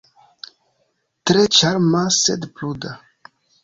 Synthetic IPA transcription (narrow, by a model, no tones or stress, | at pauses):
t̪ɾet͡ʃaɾmasḛdpluda